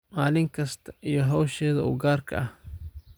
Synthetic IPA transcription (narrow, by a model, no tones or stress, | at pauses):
maːlɪŋkʰɐst̪ʰɐ̥ʔijɔɦɔwʃɛːðɐṵːɡaːrkʰɐ̰ʔɐh